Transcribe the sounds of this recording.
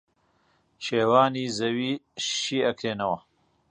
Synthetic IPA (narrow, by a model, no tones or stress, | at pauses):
ʃeːwaːniːzɐwiːʃiːɐkɾeːnɐwɐ